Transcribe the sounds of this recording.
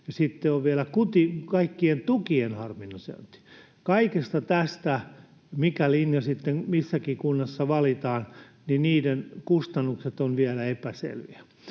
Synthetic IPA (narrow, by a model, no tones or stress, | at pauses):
jɑsit̪ːeoʋʋiælækut̪ikɑikːient̪ukienhɑrminːosḛt̪i̥ | kɑikest̪ɑt̪æst̪æ | mikælinjɑsit̪ːeŋmisːækikunːɑsːɑʋɑlit̪ɑːn | niniːdenkust̪ɑnːukset̪onʋiælæepæsḛlʋḭæ